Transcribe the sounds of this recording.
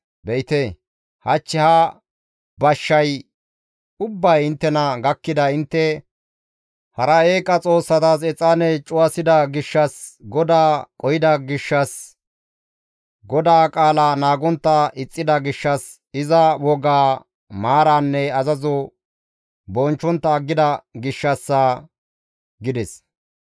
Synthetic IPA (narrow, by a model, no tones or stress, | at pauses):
bɛɪt̪eː | hɐt͡ʃːɪhɐ | bɐʃːɐj | ʊbːɐjɪnt̪ːɛnɐɡɐkːɪd̪ɐɪnt̪ːɛ | hɐɾɐeːkʼɐt͡sʼo̞ːsːɐt̪aːs̬ɛt͡sʼːaːnɛt͡ʃʼʊwɐsɪd̪ɐɡɪʃːɐsɡɔd̪aːkʼɔjɪd̪ɐɡɪʃːɐs | ɡɔd̪aːkʼaːlɐnaːɡɔnt̪ːɐɪt͡sʼːɪd̪ɐɡɪʃːɐs | ɪzɐwɔɡaː | maːɾanːɛɐzɐzɔ | bɔnt͡ʃːɔnt̪ːɐːɡːɪd̪ɐɡɪʃːɐsːa | ɡɪd̪ɛs